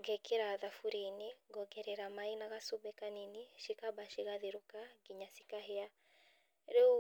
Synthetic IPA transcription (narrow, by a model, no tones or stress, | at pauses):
ɡɛkeɾaðafuɾeneɡɔɡɛɾɛɾamainaɣasobɛkanineʃikabaʃeɣaðeɾokaɡiɲasi̥kaɦea | ɾe